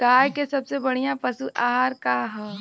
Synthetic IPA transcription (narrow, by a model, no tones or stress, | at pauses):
kaːjkesɐbsebɐɽ̤ijãpɐsuʔaːɦaɾkaɦɛː